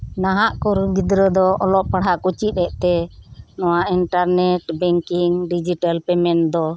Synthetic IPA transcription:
naɦaʔkuɾɡid̪ɾəd̪ɔɔlɔʔpaɽɦaʔkut͡ʃit̪̚ɛʔt̪ɛnɔwaʔinʈaɾnɛʈbɛŋkiŋɖid͡ʒitalpɛmɛnd̪ɔ

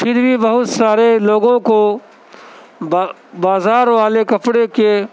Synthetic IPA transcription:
pʰɪɾbʱibɐɦʊt̪saːɾeloːɡõko | baːzaːɾʋaːlekɐpɽeke

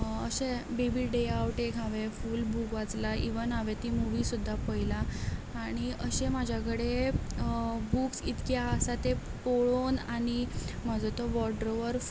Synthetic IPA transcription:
əɕebibiɖeawʈekaʋefuːlbukʋat͡slaʔḭʋənɦaʋet̪imuʋisud̪ʱːapəjlaː | ɽ̃iəɕẽmad͡ʑʱjakəɽe | buksit̪kjaːsat̪epoɭonaɽ̃im̤ad͡zot̪ɔʋɔɖɾoʋəɾ

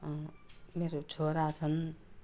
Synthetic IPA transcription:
meɾot͡sʰoɾat͡sʰʌn

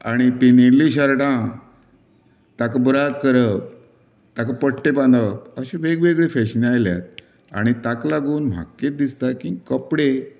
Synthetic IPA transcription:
a̰ɽ̃ipinilĩɕaɾʈã | t̪akabəɾat̪̚kəɾəp̚ | t̪akapəʈʈepãnd̪əp̚əɕẽʋeɡʋeɡɭefɛɕəniajlja̰t̪̚ | a̰ɽ̃it̪aklaɡuːnm̤a̰kːetd̪ist̪akĩːkəpɽe

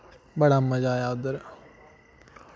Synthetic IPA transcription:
bɐɽamːɐd͡ʒaːjaːd̪əɾ

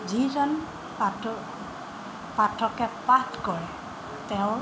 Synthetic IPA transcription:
zizɔn | pa | patʰːɔkɛpatkɔɹɛ | tɛʊ̃

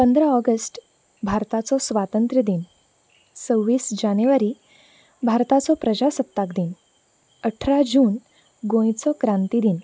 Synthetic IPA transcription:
pənd̪ɾəɔɡəsʈ | bʱaɾt̪at͡sɔsʋat̪ənt̪ɾəd̪in | t͡səwːiːsd͡ʑanəʋaɾiː | bʱaɾt̪at͡sɔpɾəd͡ʑasəpt̪ːakd̪in | əʈʰɾad͡ʑuːn | ɡõj̃t͡sɔkɾãnt̪id̪in

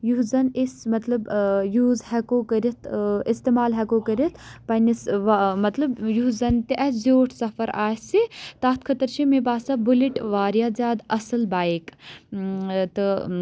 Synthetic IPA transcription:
juɦzɐnismɐt̪lɐbjuːzhɛkoːkɐɾit̪ʰist̪eːmaːlɦɐkoːkɐɾit̪ʰpɐnisʋmɐt̪lɐbjuɦzɐnt̪iʔɐszoːʈʰsɐfɐɾaːsit̪aːt̪̚kʰɐt̪ɐɾt͡ʃʰimebaːsɐbuliʈʋaːɾjaːzʲaːd̪ɐsɐlbaːik | t̪ɨ

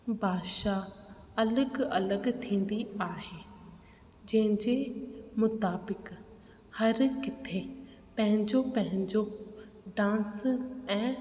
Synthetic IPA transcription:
bʱaːʃa | ɐləɡɐləɡt̪ʰĩːn̆d̪iaːɦeː | d͡ʑɐ̃ɦɪ̃ɲd͡ʑemʊt̪aːbɪk | hɐɾkɪt̪ʰe | pɐ̃ɦɪ̃ɲd͡ʑopɐ̃ɦɪ̃ɲd͡ʑo | ɖãːsɛ̃ː

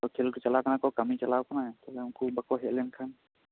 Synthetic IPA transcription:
ɔkʰilkɔt͡ʃalakanakɔkamit͡ʃalawkanat̪ɔlɛmkubakɔɦɛʔ̚lɛnkʰan

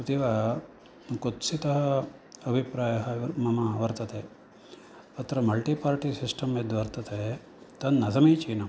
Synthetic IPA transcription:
ut̪iʋa | kot̪sit̪ɐɦɐɐbʱipɾaːjɐɦɐmɐmaʋɐɾt̪ɐt̪eː | ɐt̪ɾɐmɐlʈipaːɾʈisisʈɐmed̪ʋɐɾt̪ɐt̪e | t̪ɐnːɐzɐmiːt͡ʃiːnɐm

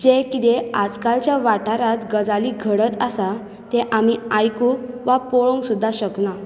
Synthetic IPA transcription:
d͡ʑekit̪ead͡zkalt͡ɕjaʋaʈaɾat̪ɡəd͡zaliɡʱəɽət̪əsa | t̪eʔamiajku | ʋapoɭoŋɡsud̪ʱːaɕəkna

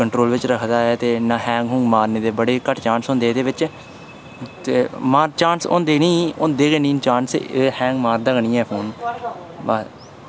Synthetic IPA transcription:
kəɳʈɾoːlʋɪt͡ʃɾəkʰd̪aːɛːt̪eːnãːɦɛ̃ːŋɡɦʊ̃ŋɡmaːɾneːd̪eːbəɽeːkəʈʰt͡ʃaːnsʊ̃nd̪eːd̪eːʋɪt͡ʃ | t̪eːmaːɾt͡ʃãːnsʊ̰nd̪eːniːʊnd̪eːɡeniːnt͡ʃaːnseːhɛ̃ːŋɡmaːɾd̪əɡɳĩːɛːpʰoːn | baː

